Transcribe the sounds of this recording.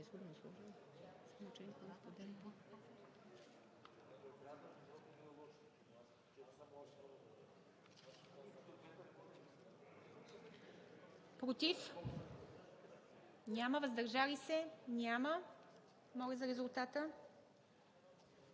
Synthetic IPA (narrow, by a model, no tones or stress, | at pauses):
ɛsɡod̪nslˠɔʒ | mut͡ʃɛnik̪ospod̪ɛn | pɾot̪if | nʲaməvəzd̪ɐɾʒalisɛnʲamə | mɔlʲizɐɾɛzulˠt̪at̪ə